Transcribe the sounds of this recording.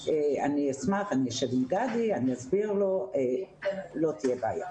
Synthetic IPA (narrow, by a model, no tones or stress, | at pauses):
eaniasmaχaniaʃevimɡadianiazbiʁlo̞elo̞t̪ijebaːja̰